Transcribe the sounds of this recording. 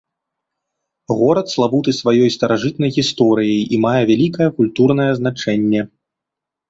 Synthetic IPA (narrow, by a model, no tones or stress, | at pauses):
ɣɔɾɐt̪slˠabut̪ɨsvajɔjst̪ɐɾaʐɨt̪̚nɐjɣʲist̪ɔɾɨjɐjʔimajɛvʲalʲikɐjɛkulʲt̪urn̪ɐjɛznat͡ʂɛnʲːɛ